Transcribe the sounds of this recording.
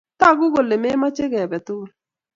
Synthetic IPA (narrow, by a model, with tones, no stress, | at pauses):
ta˦˨ɡʊ˦ɡo˨le˨me˦ma˦t͡ʃɪ˦ɡɛ˨bɛ˨tʊ˦˨